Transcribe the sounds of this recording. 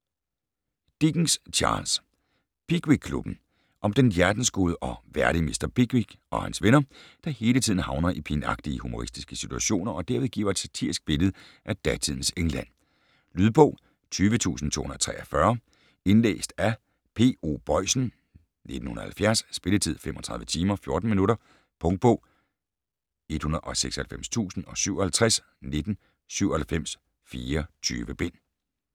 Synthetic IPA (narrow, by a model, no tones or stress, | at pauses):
d̥iɡ̥ŋst͡ɕʰɑ̰ːls | pʰiɡ̥wiɡ̚kʰlub̥n̩ | ʔɒ̽md̥enjæɐd̥n̩sɡ̥oːðˠəʔɒ̽ʋæɐɾimisd̥ɐpʰiɡ̥wiɡ̥ʔɒ̽hænsʋenɐd̥ɑ̈he̝ːlət͡sʰið̰ˠn̩hɑ̈ʊnɐʔipʰinɑ̈ɡ̥̚d̥iəhumo̝ʁisd̥isɡ̥əsit͡sʰuæɕo̝̰ːnɐʔɒ̽d̥æɐeðˠɡ̥ḭːɐed̥sæt͡sʰiɐsɡ̥̚b̥e̝lð̞̩ˠ | ʔæd̥æt͡sʰiðˠn̩seŋlæn̰ | lyð̞ˠb̥ɔ̰̽ʊ̰ | t͡sʰyːʋət͡sʰṵːsn̩t͡sʰo̰ːhunɐt͡sʰʁɛ̰ːɐfɶɐ | e̝nlḛːsd̥æ | pʰe̝̰ːo̝̰ːb̥ɒɪ̰sn̩ | ned̥n̩hunɐhælfjæɐsːb̥e̝lət͡sʰið̞̰ˠfem̰ʔɒ̽t͡sʰʁɑ̈ðˠʋət͡sʰiːmɐfjo̝ɐd̥n̩minuɾɐ | pʰɔ̽ŋd̥̚b̥ɔ̰ː | e̝d̥hunɐʔɒ̽seɡ̥sɒhælfem̰st͡sʰṵːsn̩ɒ̽syʊɐhælt͡sʰʁas | ne̝d̥n̩ | syʊ̰ɐ̽hælfem̰s | fiːɐt͡sʰy̰ːʋəb̥e̝n̰